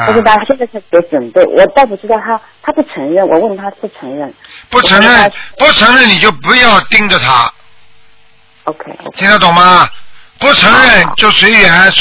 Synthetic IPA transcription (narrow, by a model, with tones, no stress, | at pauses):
u˥ʂ̩˥t̪a˥˧˥ɕjɛ˥˧nt͡stʰje˧˥ɪʈ͡ʂwə˨˩npe˥˩ɪwʔɔ˨˩t̪ɑ˥˧ʊp̬u˥˩ʈ͡ʂɻ̩˥t̪ɑ˥˩ʊt̪ʰa˥ | t̪ʰa˥pu˥˩t͡sʰɤ˧˥ŋɻə˥˩nwɔ̰˨˩wə˥˩nt̪ʰa˥pu˥˩ʈ͡ʂʰɤ˧˥ŋɻə˥˩npu˥˩t͡sʰɤ˧˥ŋɻə˥˩npu˥˩t͡sʰɤ˧˥ŋɻə˥˩ni˨˩t͡ɕjo˥˩ʊpu˧˥jɑ˥˩˧ʊt̪i˥˧ŋʈ͡ʂə˨t̪ʰa̰˥ | o˧kʰe˥˩ɪt͡ɕ̪ʰi˧˥ŋt̪ʰa˥t̪ʊ˨˩ŋmɐ˧pu˥˩ʈ͡ʂʰɤ˧˥ŋɻə˥˩nt͡ɕjo˥˩ʊswe˧˥ɪɥɛ˨˧˦s